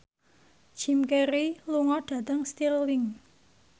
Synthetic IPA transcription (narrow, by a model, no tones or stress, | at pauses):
d̥ʒ̥i̤mkɛɾiluŋɔɖ̥a̤t̪əŋst̪iɾlɪŋ